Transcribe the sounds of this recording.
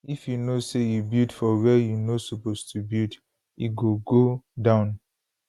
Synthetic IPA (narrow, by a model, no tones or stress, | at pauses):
ifjunosejubidfɔwɛjunosupostʰubild | iɡoɡodãʊ̃n